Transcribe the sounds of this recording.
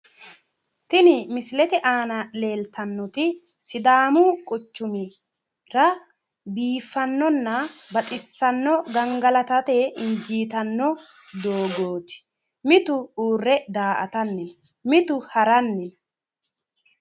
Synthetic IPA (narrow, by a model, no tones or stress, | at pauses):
t̪ɪnɪmɪslɛt̪ɛʔaːnɐle̞ːlt̪ɐnːɔt̪ɪ | sɪd̪aːmukʼʊt͡ʃːʊmɪ | ɾɐ | biːfːɐnːɔnːɐbɐt̪ʼɪsːɐnːɔɡɐŋɡɐlɐt̪ɐt̪eʔɪnd͡ʒiːt̪ɐnːɔd̪oːɡo̞ːt̪ɪ̥ | mɪt̪ʊuːrːɛd̪aːʔɐ̰t̪ɐnːɪn | mɪt̪ʊhɐɾɐnːɪn